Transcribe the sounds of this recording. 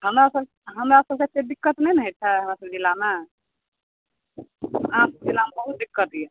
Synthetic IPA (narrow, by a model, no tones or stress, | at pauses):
ɦəmɾaəbsəb | ɦəmɾəbsəb̚ket̪ːed̪ikːət̪nɛnɦeʈʰaɦəmɾasəbd̪ilame | ad̪ilamebəɦut̪̚d̪ikːət̪ɦije